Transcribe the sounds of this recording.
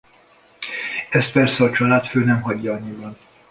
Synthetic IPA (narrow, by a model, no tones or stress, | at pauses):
ɛst̪̚pɛrsɛɒt͡ʃɒlaːt̪føːnɛmɦɒɟːɒɒɲːibɒn